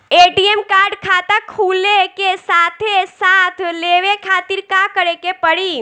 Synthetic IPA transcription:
eʈiemkaɾɖkʰat̪ãkʰulekesat̪ʰesat̪ʰleʋekʰat̪iɾkãkəɾekepəɽi

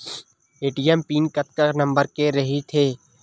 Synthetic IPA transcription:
eːʈijempiːnkɐt̪kəɾnɐ̃mbəɾkeɾɐɦit̪ʰeː

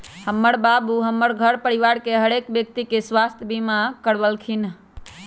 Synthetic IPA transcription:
həmːəɾbabuɦəmːəɾɡʱəɾpəɾiʋaɾkeɦəɾekbjək̚t̪ikeswast̪ʰjəbimakəɾbəlkʰin

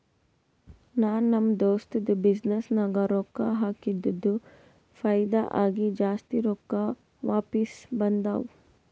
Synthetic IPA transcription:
naːnːɐmd̪oːst̪ɐd̪ubid͡ʒnesnɐɡɐɾɔkːaɦaːkid̪ːɐd̪ːu | fʰɐjd̪aʔaːɡid͡ʒaːst̪iɾoːkːa | ʋaːpisbɐnd̪a̰ʋ

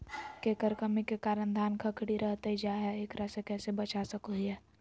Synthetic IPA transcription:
kekəɾkəmikekaːɾənd̪ʱaːnkʰəkɽiɾəɦt̪eid͡ʒaːɦɛeːkɾəsekɛːsebət͡ʃasəkoɦɛː

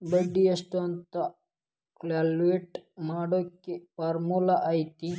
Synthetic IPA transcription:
bəɖiɐsʈont̪a | klaːlueʈmaːɽokipaːɾmulaʔait̪i

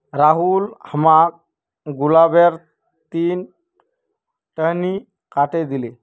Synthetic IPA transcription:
ɾaɦulhəmak̚ | ɡulabeɾ | t̪iːn | ʈəɦni | kaʈed̪ili

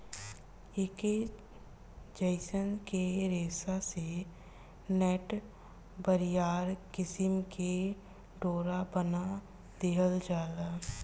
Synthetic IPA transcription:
ɪke | d͡ʒəɪsənkeɾeːsase | nɛːʈ | bəɾɪjaːɾkɪsɪmke | ɖoːɾabəna | d̪eɦəld͡ʒaːd̪a

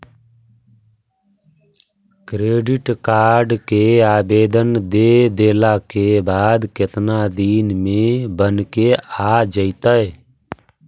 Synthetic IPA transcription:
kɾeːɖɪʈkaːɾɖkeaːbeːd̪ənd̪eːd̪eːlaːkebaːd̪kɪt̪nad̪iːnmẽbənkeaːd͡ʒəit̪əe

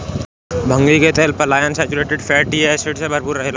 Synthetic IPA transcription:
bʱə̃ŋɡliket̪ɛːlpəɾlaːjənsɛːt͡ʃuɾeːʈɪɖfʰɛːʈiesɪʈsebʱəɾpuɾəɦela

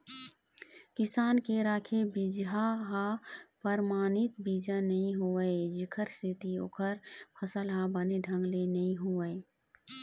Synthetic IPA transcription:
kɪsaːnkeɾaːkʰebid͡ʒɦaɦapəɾmaːnɪt̪bid͡ʒanəɦĩɦuəed͡ʒɪkʰəɾsɪt̪io̰ːkʰəɾpʰəsəlɦãbəneɖʱə̃ŋɡlenɐɦĩɦuəe

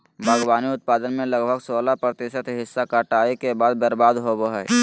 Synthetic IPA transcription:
bʱaɡbaːniʊt̪̚paːd̪ənmẽləɡbʱəɡsoːlapɾət̪ɪːʃət̪ɦɪsːakaʈaːekebaːd̪̚bəɾbaːd̪ɦoboɦɛ

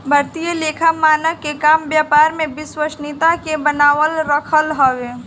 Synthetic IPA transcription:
bʱɐɾt̪ijəleːkʰamaːnəʋkekaːmbjaːpaːɾmẽbɪswəʃnit̪akebənaːʋəlɾəkʰəlɦoːʋeː

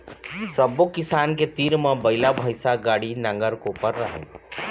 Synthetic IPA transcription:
səbokɪsaːnket̪iːɾmãbəɪlabʱəjsaɡaːɽinə̃ŋɡəɾkopəɾːəɦɛ̰̃

